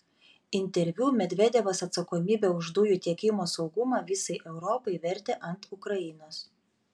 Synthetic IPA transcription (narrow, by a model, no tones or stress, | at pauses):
ɪnʲt̪ʲɛɾʲʋʲuːmʲɛd̪ʲʋʲɛd̪ʲɛʋɐsɐt̪sɐkoːmʲiːbʲɛːʊʒd̪ʊjuːt̪ʲiɛkʲɪmoːsɒʊɡʊmɑːʋʲɪsɐɪʔɛʊɾɔpɐɪʋʲɛɾʲt̪ʲeːʔɐnt̪ʊkɾɐɪnoːs